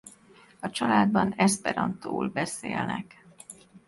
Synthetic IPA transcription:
ɒt͡ʃɒlaːd̪̚bɒnɛspɛɾɒnt̪oːlbɛseːlnɛ̰k

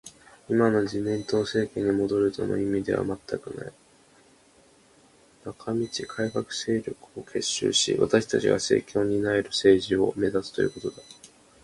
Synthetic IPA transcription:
imano̞d͡ʑimẽnt̪o̞ːse̞ːkẽɲ̟ːimo̞d̪o̞ɾɯ̟t̪o̞no̞̰imʲid̪e̞βa̰mat̪ːakɯ̟na̰i | nakʰamʲit͡ɕikʰaikakɯ̟̥se̞ːɾʲo̞kɯ̟̥o̞kʰe̞ɕːɨ̰ːɕḭβa̰t̪aɕi̥t̪at͡ɕiɡase̞̰ːkʲʰo̞ːɲ̟inaeɾɯ̟se̞ːʑio̞̰me̞zasɨ̥t̪ojɯ̟ːko̞t̪o̞d̪a

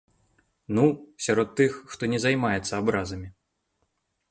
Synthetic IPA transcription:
nusʲaɾɔt̪ːɨxːt̪ɔnʲɛzajmajɛt̪sːɐabɾazɐmʲi

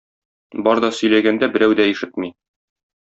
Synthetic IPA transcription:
bɒɾd̪ɒsɵ̆jlæɡænd̪æbɘ̆ɾæwd̪æiʃɘt̪̚mi

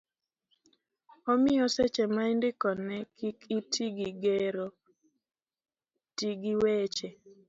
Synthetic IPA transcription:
omɪɔsɛt͡ʃɛmaindɪkɔnɛkʰikitʰiɡiɡeɾo | tiɡiwet͡ʃe

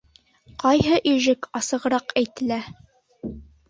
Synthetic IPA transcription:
qɑjɦɤʔiʒɘkɑsɤ̆ʁɤ̆ɾɑqæjt̪ɘ̆læ

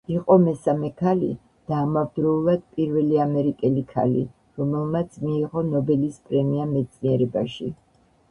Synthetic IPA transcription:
iqʼɔmɛsamɛkʰalḭ | d̪̥aːmavd̪ɾɛulˠad̪̥̚pʼiɾvɛliamɛɾikʼɛlikʰa̰lḭ | ɾɔmɛlˠmat̪sʰmiːʁɔnɔbɛlispʼɾɛmiamɛt̪sʼʰniɛɾɛba̰ʃḭ

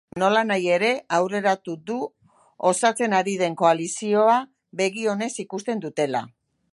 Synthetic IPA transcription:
no̞lanaje̞ɾe̞awre̞ɾat̪ud̪u | osat͡se̞naɾið̞e̞ŋko̞alisio̞a | βe̞ɣio̞ne̞sikust̪e̞nd̪ut̪e̞la̰

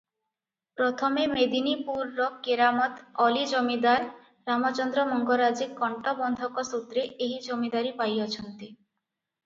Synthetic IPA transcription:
pɾɔt̪ʰɔmemed̪inipuɾːɔkːeɾamɔt̪ɔlid͡ʒɔmid̪aɾ | ɾamɔt͡ʃɔnd̪ɾɔmɔŋɡɔɾad͡ʒikːɔɳʈɔbɔnd̪ʱɔkɔsut̪ɾeʔeɦid͡ʒomid̪aɾipajɔt͡ʃʰɔnt̪i

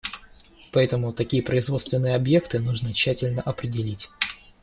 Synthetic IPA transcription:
pɐɛt̪əmʊt̪ɐkʲijəpɾəɪzvo̞t̪st̪vʲɪnːɨjəɐbje̞kt̪ɨnuʐnət͡ɕːætʲɪlʲnəʔɐpɾʲɪdʲɪlʲitʲ

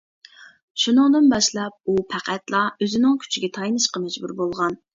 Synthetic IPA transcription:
ʃunɨŋd̪ɨnbɑʃlˠɑp̚upʰæqʰæt̪lˠɑøzɪnɪŋkʲʰy̥t͡ʃʰiɡʲɛt̪ʰɑjnɨʃqɑmɛd͡ʒbuɾbolˠʁɑn

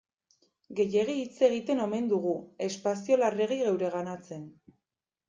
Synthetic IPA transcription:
ɡe̞je̞ɣ̞iːt͡se̞ɣ̞it̪e̞no̞me̞nd̪uɣue̞spasio̞lare̞ɣ̞iɣe̞wɾe̞ɣ̞anat͡se̞n

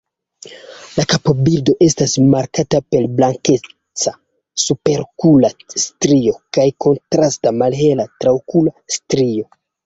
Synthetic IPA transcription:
lakapo̞biɾdo̞ʔe̞stasmaɾkatape̞lblaŋke̞ | t͡sa | supe̞ɾkulastɾio̞kajko̞ntɾastamalhe̞latɾawkulastɾio̞

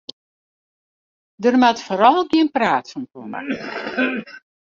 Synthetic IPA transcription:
dərmatfoːɾɔlˠɡiənpraːtsɔmkoma̰

